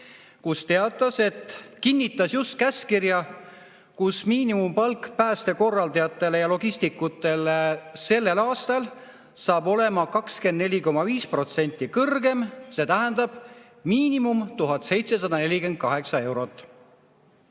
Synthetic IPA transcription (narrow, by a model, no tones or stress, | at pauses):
kust̪e̞ɑt̪ːˑɑse̞t̪kinʲːit̪ːˑɑsjust̪̚kæskirjɑ | kusmiːnimumpɑlkːpæːst̪e̞ko̞rːɑld̪ɑjɑt̪ːˑe̞le̞jɑlo̞ɡ̥ist̪ikːut̪ːˑe̞lse̞lːe̞lɑːst̪ɑl | sɑːbo̞le̞mɑkɑkskend̪ne̞lʲiko̞mːɑviːspro̞t̪se̞nʲt̪ˑːikɤrɡe̞mse̞ːt̪æɦɛnd̪̥ɑb̥ | miːnimumt̪uɦɑt̪se̞jt̪se̞s̬ɑd̪̥ɑne̞lʲike̞nd̪̚kɑɦe̞ksɑe̞wɾo̞t̪ˑː